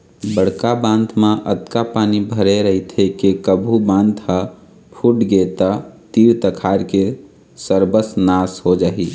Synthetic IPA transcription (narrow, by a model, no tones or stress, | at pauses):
bəɽkabãnt̪ʰmãʔə̰t̪kapanibʱəɾeɾəɦit̪ʰekekəbʱubãnt̪ʰha | pʰuʈɡet̪ət̪iɾt̪əkʰaɾke | səɾbəsnasɦod͡ʒaːɦi